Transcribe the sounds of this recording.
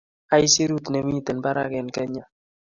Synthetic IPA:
a˦ɪ˦si˦ɾu˦t̪ne˨mi˦i˦t̪ɛ˨nba˦ɾa˦kɛ˨nkɛ˦ɲa˨

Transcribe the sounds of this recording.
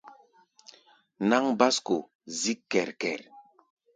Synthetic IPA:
na˦ŋba˦sko˨ | zi˦kːɛ˨ɾkɛ̰˨ɾ

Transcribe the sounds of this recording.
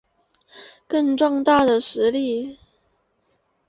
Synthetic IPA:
kə˥˧ŋʈ͡ʂɔ˥˧ŋt̪a˥˩d̪ə˩ʂɻ̩˧˥li˥˩

